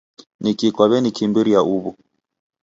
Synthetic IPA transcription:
nikikwaβɛnikimbiɾiaʔuβu

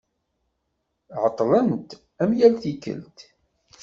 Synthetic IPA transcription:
ʕət̪ˤːlənt̪ | æmjælθikːə̰lt̪

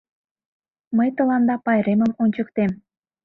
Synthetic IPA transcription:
məjt̪ə̆lɑnd̪ɑpɑjɾeməmonʲt͡ɕəkt̪em

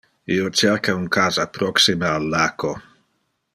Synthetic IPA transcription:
iot͡ʃɛɾkauŋkaːzapɾɔksimaalːako

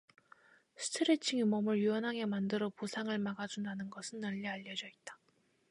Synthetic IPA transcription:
sʰɯ̥tʰɯɾet͡ɕʰiŋemʌmɯɭjuʌnɦaŋe̞mandɯɾʌpusʰaŋɯɭmaɡad͡ʑundanɯnɡʌsʰɯnːʌʎːiaʎːʌd͡ʑʌit̚t͈ḁ

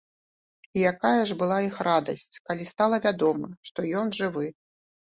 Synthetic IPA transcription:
ijakajɐʐbɨlˠaixrad̪ɐsʲt͡sʲkalʲist̪alˠɐvʲad̪ɔmɨʂt̪ɔjɔnʐɨvɨ

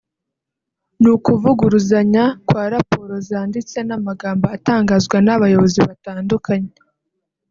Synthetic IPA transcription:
nukuvuɡuɾuzaɲakwaːɾapo̞ːɾo̞zaːndit͡se̞namaɡaːmboataːŋɡazɡwanaβajo̞βo̞ziβataːndukʰaɲe

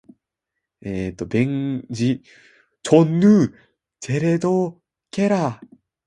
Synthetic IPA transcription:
et̪obeŋd͡ʑi | t͡ɕʰonːɯ | t͡ɕeɾed̪o | keɾa

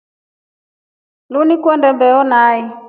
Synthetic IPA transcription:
lunikwɛndɛmbɛɔnaːi

